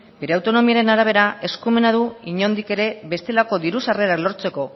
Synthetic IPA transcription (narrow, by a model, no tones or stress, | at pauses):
beɾeawt̪o̞no̞miaɾe̞naɾaβ̞e̞ɾae̞skume̞naðuiɲo̞nd̪ike̞ɾe̞βe̞st̪e̞lako̞diɾusare̞ɾaklo̞ɾt͡se̞ko̞